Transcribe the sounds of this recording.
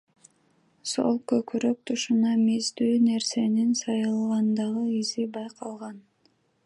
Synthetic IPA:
so̞̰lˠkøkyɾøk̚t̪ʰuʃunɑmizd̪yːne̞ɾse̞ninsɑjɯlˠʁɑnd̪ɑʁɯizibɑjqʰɑlˠʁɑn

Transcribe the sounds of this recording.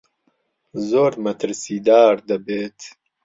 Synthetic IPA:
zoːɾmɐt̪ɾsiːd̪aːɾd̪ɐbeːt̪

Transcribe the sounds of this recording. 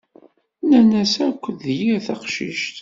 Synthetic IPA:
nænæsækʷːðjiɾθæqʃḭʃt̪

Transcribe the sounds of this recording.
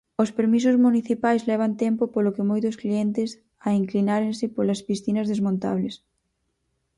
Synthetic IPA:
ospeɾmis̬ʊzmuniθipajzlɛβ̞ant̪ɛmpopolokɪmojt̪ʊskliɛnt̪ɪs | ɐiŋklinaɾensɪpolɐspisθinɐzðezmõnt̪a̰βles

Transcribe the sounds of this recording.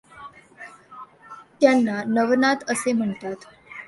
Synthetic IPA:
t̪janːanəʋnat̪əsem̤əɳt̪at̪

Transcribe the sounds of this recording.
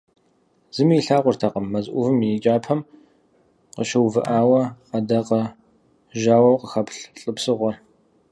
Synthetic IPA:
z̥ɨmiːɬaːqʷʊrtʰaqəmːɐzʔʷʊvɨmɪt͡ʃʼaːpʰɐm | qəʃɐwvɨ̰ʔaːwɐɐdɐqɐ | ʒaːwɐwqəxɐpɬɬʼɨpsɨʁʷɔr

